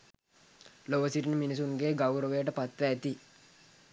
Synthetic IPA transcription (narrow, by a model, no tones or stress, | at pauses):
loʋəsiʈinəminis̬uŋɡeːɡawɾəʋəjəʈəpat̪ʋəːt̪i